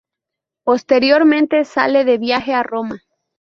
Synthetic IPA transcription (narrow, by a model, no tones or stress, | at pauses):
po̞st̪e̞ɾjo̞ɾmẽ̞nt̪e̞sa̰le̞ðe̞βjaxe̞aro̞ma